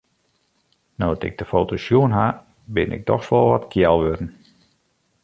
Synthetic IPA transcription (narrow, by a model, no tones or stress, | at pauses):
nowtɪ̰ɡ̚dəfoːtosjuənɦa | bɪ̰nʔɪ̰k̚dɔ̰xsʋɔlˠʋɔtkʰjɛlˠʋødn̩